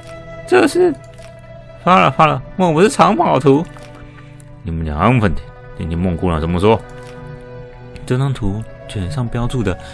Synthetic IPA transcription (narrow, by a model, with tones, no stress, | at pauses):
ʈ͡ʂɤ˥˧ʂɻ̩˥˩ | fa˥lə̰˨˩fa˥lə˨mo˥˩ŋpu˧ʂɻ̩˥˩ʈ͡ʂʰɑ˧˥ŋpɑ˨˩ʊt̪ʰu˧˥ | ni˨˩mə˧˦nt͡ɕjɑ̰˨˩ŋa˧˥nmu˧fə˥˩nt̪ʰi̥˨˧˦ | i˧˥ni˨˧˩mʊ˥˧ŋku˥˧la˧˩ə˧˥nmə˧ʂwɔ˥ | ʈ͡ʂɤ˥nɑ˥ŋt̪ʰu˧˥ | t͡ɕɥɛ˨˩nʂɑ˥˧ŋpjɑ˥ʊt͡su˥˩d̪ə˩